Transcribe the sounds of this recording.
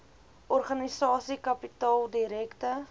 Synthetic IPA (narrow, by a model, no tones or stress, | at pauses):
ʔɔrχɐnisɑːsikɐpitɑːlˠdiɾɛktə